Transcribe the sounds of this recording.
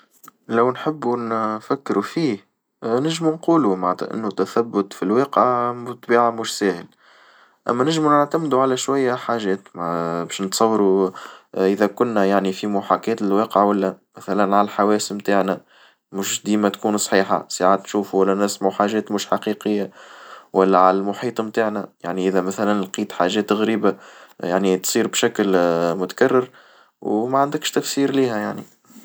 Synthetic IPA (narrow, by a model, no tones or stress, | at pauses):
læwnħɪbːunfækːɾufiːh | nɪʒmunquːlumaʕt̪ˤɑ̰ʔɪ̰nːut̪æθæbːʊt̪filweːqʕt̪ˤːbiːʕamʊːʃsɛːhɪl | ʔæ̰mːænɪʒmunəʕt̪æmd̪uʕalæʃwæjːæħaːʒɛːt̪mbɛːʃnət̪sˤɑwːɾu | ʔɪðɛkʊnːæjaʕnifimuħakɛːt̪ɪlweːqəʕwælːæmæθælænʕalælħawɛːsəmt̪aːʕnæ | mʊʃd̪iːmæt̪kuːnsˤħiːħa̰saʕaːt̪nʃuːfuwælːænæsmuħaːʒɛːt̪mʊʃħɑqiqəjːawælːæʕalælmʊħiːt̪ˤmt̪aːʕnæjaʕniʔɪðæmæθælænlqiːt̪ħaʒɛːt̪ːɪɣɾiːbajaʕnit̪sˤiːɾbʃæklmʊt̪ḁkarːɪɾ | wmæʕand̪ɪkʃt̪æfsiːɾliːhæjaʕnḭ